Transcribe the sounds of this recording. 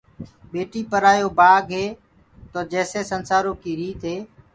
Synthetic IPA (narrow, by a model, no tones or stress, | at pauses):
ɓeːʈiːpəɾaːjoːbaːɡʱɦeː | t̪oːd͡ʒɛːseːsənsaːɾoːkiːɾiːt̪ɦeː